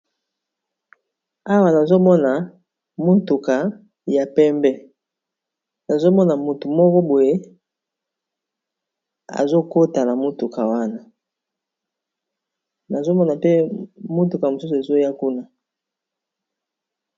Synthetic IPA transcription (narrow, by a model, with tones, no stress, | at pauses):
a˦wa˨na˨zo˦mɔ˦na˨ | mo˦tu˨ka˨ | ja˨pɛ˦mbɛ˦ | na˨zo˦mɔ˦na˨mu˨tu˨mɔ˦kɔ˦bo˨je˦ | a̰˨zo˦ko˦ta˨na˨mo˦tu˨ka˨wa˦na˨ | na˨zo˦mɔ˦na˨pe˦mo˦tu˨ka˨ja˨mo˨su˦s̬u˨e˨zo˦a˦ku˦na˦